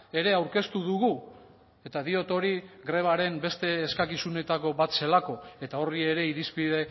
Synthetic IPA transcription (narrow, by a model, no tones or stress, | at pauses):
e̞ɾe̞awɾke̞st̪uðuɣu | e̞t̪aðio̞t̪o̞ɾiɡɾe̞β̞aɾe̞mbe̞st̪e̞ːskakisune̞t̪ako̞βat̪se̞lako̞e̞t̪ao̞rie̞ɾe̞iɾispiðe̞